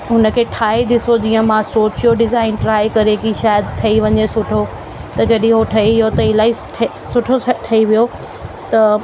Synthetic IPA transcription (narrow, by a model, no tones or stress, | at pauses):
ɦʊnə̆kʰeːʈʰaːid̪ɪsod͡ʑiːə̃mãsoːt͡ɕjoɖɪzaːɪnʈɾaːikɐɾekiʃaːjd̪t̪ʰɐiʋɐɲesʊʈʰo | t̪ɐd͡ʑɐɗɦĩɦoʈʰɐiʋɪjot̪ɐɪlaːisʈʰ | sʊʈʰoʈʰɐiʋijo | t̪ɐ